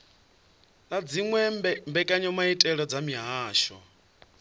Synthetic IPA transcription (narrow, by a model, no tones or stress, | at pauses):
lad͡ziŋwɛmbɛkʼaɲɔmaitʼɛɺɔd͡zamiɦaːʃɔ̰